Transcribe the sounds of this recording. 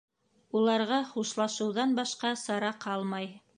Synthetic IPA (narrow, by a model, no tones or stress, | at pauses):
ulˠɑɾʁɑχuʃlˠɑʃɤ̆wðɑnbɑʃqɑsɑɾɑqʰɑlˠmɑj